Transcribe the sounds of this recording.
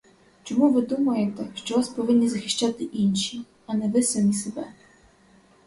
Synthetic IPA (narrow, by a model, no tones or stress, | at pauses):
t͡ʃɔmuvʋɪd̪umujɛt̪ɛʃt͡ʃɔvaspɔʋinʲːizaxɪʃt͡ʃat̪ɪʔinʃi | anɛvɪsamʲisɛbɛ